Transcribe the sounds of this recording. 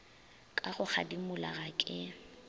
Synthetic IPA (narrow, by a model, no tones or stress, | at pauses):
kʼaɣʊk͡xʰa̰dimʊla̰ɣakʼɪ